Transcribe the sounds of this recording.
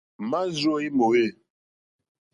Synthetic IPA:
ma˦zo˦˨i˦mo˨we˦˨

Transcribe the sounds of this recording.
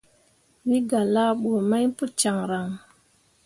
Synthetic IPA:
wi˦ɡa˨la˦ɓo˨ma˦jpu˦t͡ʃa˨ŋɾa˨ŋ

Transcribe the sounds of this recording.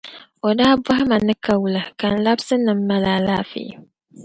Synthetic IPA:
o˨daː˦bwa˦hɪ˦ma˨nɨ˦ka˨wu˨la˨ka˨n̩˨la˦bsɨ˦nɨ˨m̩ː˦a˦laː˨laː˦fḛː˨˦˨

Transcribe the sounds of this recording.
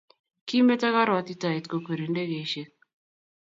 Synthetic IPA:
ki˦me˦ta˦ka˦ɾwa˨t̪i˦ta˨e˨t̪ko˨ke˨ɾi˨nde˦ɡe˨ʃe˦k̚

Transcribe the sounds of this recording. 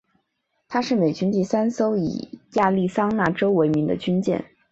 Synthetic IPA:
t̪ʰa˥ʂɻ̩˥˩me˨˩ɪt͡ɕy˥nt̪i˥˩sa˥nso˥ʊḭ˨˩ja˥˧li˥˩sɑ˥ŋna˥˩ʈ͡ʂo˥ʊwe˧˥ɪmi˧˥ŋd̪ə̰˧t͡ɕy˥nt͡ɕjɛ̰˥˩n

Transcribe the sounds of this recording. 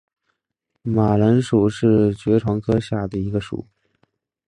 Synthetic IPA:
ma˨˩lə˧˥nʂu˨˩ʂɻ̩˥˩t͡ɕɥɛ˧˥ʈ͡ʂʰwɑ˧˥ŋkʰɤ˥ɕja˥˩d̪ə˩i˧˥ɡə˧ʂṵ˨˩˦

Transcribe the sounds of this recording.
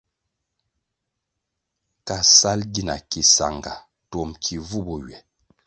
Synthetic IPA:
ka˨sa˦lɡi˦˨na̰˨ki˨sa̰˨ŋɡa˨ | tɔ˨mkʰi˨vu˦˨bɔ˨ɥɛ˨

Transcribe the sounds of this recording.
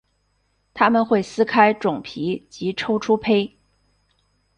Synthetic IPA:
t̪ʰa˥mə˨nxwe˥˩ɪsɹ̩˥kʰa˥ɪʈ͡ʂʊ˨˩ŋpʰi˧˥t͡ɕi˧˥ʈ͡ʂʰo˥ʊʈ͡ʂʰu˥pʰe˥ɪ

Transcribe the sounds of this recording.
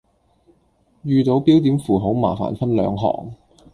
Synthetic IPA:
jyː˨˧t̪o˨˧˥wpiː˥wt̪̬iː˨˥mfuː˨˩ɦo˨˥wma̰ː˨˩fa̰ː˨˩nfɐ˥nlœ̰ː˨˧ŋɦɔ̰ː˨˩ŋ

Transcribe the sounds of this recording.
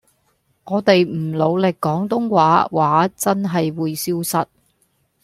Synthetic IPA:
ŋɔː˨˧t̪e˨jm̩˨˩lo˨˧wlɪ˨kːɔː˨˥ŋt̪ʊ˥ŋwaː˨˥waː˨˥t͡sɐ˥nɦɐ˨jwuː˨˧jsiː˥wsɐ˨˥t̚

